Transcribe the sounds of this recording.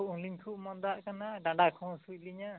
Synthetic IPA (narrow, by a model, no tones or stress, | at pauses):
ʔunliɲkʰuʔmɔnd̪aʔkanaɖãɳɖakʰɔ̃suc̚liɲa